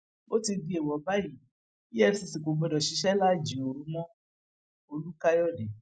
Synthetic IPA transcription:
o˦ti˧di˧˦e˨wɔ˨ba˦ji˨ | i˦ɛ˦˧si˧si˨ko˨ɡ͡bɛ˧dɔ˨ʃi˨˧˦ʃɛ˦la˦˨d͡ʒi˨o˨ɾũ˨˧˦mɔ̃˦ | o˧lu˦ka˦jɔ˦˨de˨

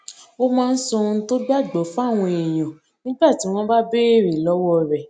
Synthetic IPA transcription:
o˦mãː˦˧n̩˦sɔ̃˧˦to˦ɡ͡ba˦˨ɡ͡bɔ˨˦fa˦˨w̃ɔ̃˧e˨j̃ã˨ | nĩ˦ɡ͡ba˦˨ti˨˦w̃ɔ̃˦ba˦be˦e˦˨ɾe˨lɔ˨˦wɔ˦ɾɛ˨

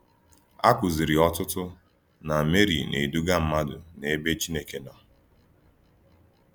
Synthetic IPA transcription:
a˦kʷʊ˨zi˨ɾi˨ɔ˦tʊ˦tʊ˦ | na˨me˦ɾḭ˨nḛ˨du˦ɡa˦m̩˦ma˦dʊ˨ne˨e˦be˦t͡ʃi˦ne˦ke˨nɔ˨

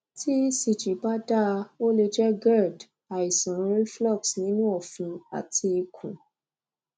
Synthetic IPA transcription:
tʰi˦si˨t͡ʃi˨ba˦da˦˧o˦le˧d͡ʒɛ˦ɡɛ˦˨d | a˨i˨sɔ̃˨ɾ̃ɾĩ˦flɔ˦˨ksnĩ˦nũ˦ɔ˦˨fĩ˧a̰˨ti˧i˧kʰṵ̃˨

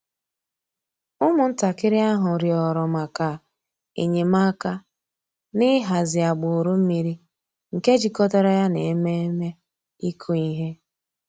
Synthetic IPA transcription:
ʊ˦mʊ˨n̩˦ta˨kɪ˦ɾɪ˦a˦ɦʊ˨ɾjɔ˨ɾɔ˨ma˨ka˨ | ḛ˨ɲe˨ma˦ka˦ | nɪ˦ɦa˨zɪ˨a˨ɡ͡bʊ˨ɾu˦m̩˦mi˨ɾi˦ | ŋ̩˨ke˦d͡ʒi˨kɔ˦tɔ˦ɾɔ˦ja˦ne˨e˦me˦e˦me˦ | i˦kʰu˦i˦ɦe˦

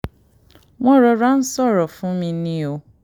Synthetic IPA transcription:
wɔ̃˦ɾɔ˨ɾa˦n̩˦sɔ˦˨ɾɔ˨fʊ̃˦mĩ˧nĩ˦o˨

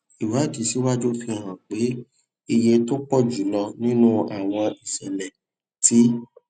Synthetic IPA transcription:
i˨wa˨˦˨ti˨˦si˨˦wa˦d͡ʒu˦fi˧˨ɾ̃ã˨k͡pe˨˦ | i˧je˧to˦k͡pɔ˦˨d͡ʒu˨˦lɔ˧nĩ˦nũ˦a˨w̃ɔ̃˧i˨sɛ˨lɛ˨ | ti˨˦

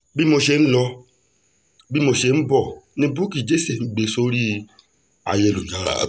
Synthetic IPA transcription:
bi˦mo˧ʃe˧ñ̩˦lɔ˧ | bi˦mo˧ʃe˧˦n̩˦bɔ˦˨nĩ˦bu˦ki˨d͡ʒe˦se˨n̩˦ɡ͡be˧so˦ɾi˦ | a̰˨je˧˨lu˨ɲa̰˨˦˨

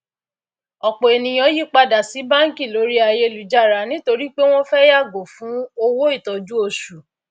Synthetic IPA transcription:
ɔ˨k͡po˨e˨nĩ˨˧j̃ɔ̃˧˦ji˦˨k͡pa˧da˨si˨˦bã˦ŋ̩˦ki˦˨lo˨˦ɾi˦a˧je˧lu˨˦d͡ʒa˦˨ɾa˨˦nĩ˦to˧ɾi˦k͡pe˦w̃ɔ̃˦fɛ˦ja˦˨ɡo˨fũ˨˦o˧wo˦i˦˨tɔ˨d͡ʒu˦o˧ʃu˨

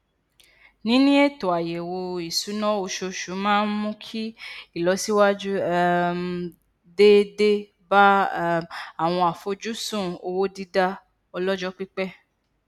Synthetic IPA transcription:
nĩ˨˦nĩ˦e˦˨to˨a˨je˨wo˧i˨su˨˦nɔ̃˦o˧ʃo˧ʃu˨˦mãː˦n̩˦mũ˦kʰi˦i˦˨lɔ˨˦si˦wa˦d͡ʒu˦ | de˦de˦ | ba˦ | a˦˨w̃ɔ̃˧a˨fo˨˦d͡ʒu˦sũ˦˨o˧wo˦di˦da˧ | ɔ˧lɔ˦d͡ʒɔ˦k͡pi˦k͡pɛ˦

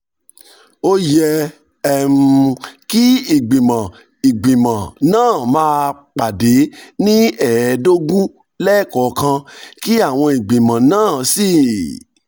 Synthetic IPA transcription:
o˦jɛ˧ | ɛ˦˨mu˧ki˦i˨ɡ͡bĩ˨mã˨ | i˨ɡ͡bĩ˨mã˨nãː˦˨mãː˧k͡pa˨de˨˦nĩ˦ɛ˦˨do˦ɡũ˦ | lɛ˦˨kɔ˨˦kã˧ki˦a˦˨w̃ɔ̃˧i˨ɡ͡bĩ˨mã˨nãː˦˨si˦˨

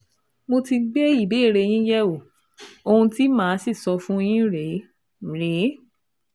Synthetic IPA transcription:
mo˧ti˧ɡ͡be˦i˦˨be˨˦˨ɾe˧j̃ĩ˦jɛ˦wo˨ | o˧hũ˧ti˦mãː˦˨˦si˦˨sɔ˧fũ˦j̃ĩ˦ɾe˨˦˨ | ɾe˨˦

